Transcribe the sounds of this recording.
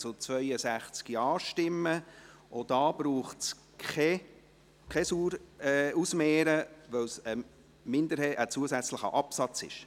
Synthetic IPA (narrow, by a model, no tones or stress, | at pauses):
t͡sʊt͡svœʏəsæχt͡skiɑːʃtɪmːəʔod̥ɑːb̥ɾuːχts | kɛ | kʰɛsuːɾɛusmeːɾəʋœwsə | mɪnd̪əɾheːʔət͡suəsæt͡sləχə̰ʔɑpsɑt͡sɪ̰ʃ